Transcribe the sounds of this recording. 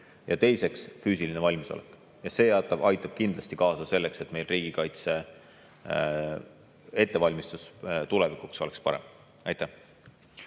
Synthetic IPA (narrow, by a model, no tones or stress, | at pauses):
jɑt̪e̞jse̞ksfyːsilinevɑlʲmiso̞̰ʔekːˑ | jɑse̞jæt̪ːˑɑb̥ɑjt̪ːˑɑb̥̚kind̪̥lɑsʲt̪ikɑːsɑse̞lːe̞kse̞t̪me̞jlriːɡ̥ikɑjt̪se̞ | e̞t̪ːˑe̞vɑlʲmist̪ust̪ulevikukso̞lekspɑ̰ɾe̞̰m | ɑjt̪ːæ